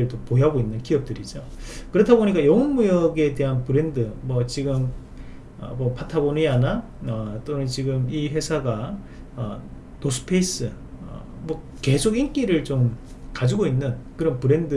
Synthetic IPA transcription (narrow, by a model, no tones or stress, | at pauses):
eɭtopojaɡoinːɯnkiʌp̚t͈ɯɾid͡ʑo | kɯɾʌtʰaboɲik͈ajʌŋʌnmujʌɡe̞te̞ɦanpɯɾe̞ndɯmwʌt͡ɕiɡɯm | ʌ̰mʌpʰatʰaboniana | ʌt͈onɯnt͡ɕiɡɯmiɸwe̞sʰaɡa | ʌ | nosʰɯ̥pʰeis͈ɯʌ̰ | mwʌ | ke̞sʰoɡink͈iɾɯɭt͡ɕom | kad͡ʑiɡoinːɯnkɯɾʌnpɯɾe̞ndɯ